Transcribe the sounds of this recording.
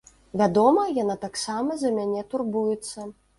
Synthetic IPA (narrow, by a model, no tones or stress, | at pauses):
vʲad̪ɔmɐjanat̪aksamɐzɐmʲanʲɛt̪urbujɛt̪sːɐ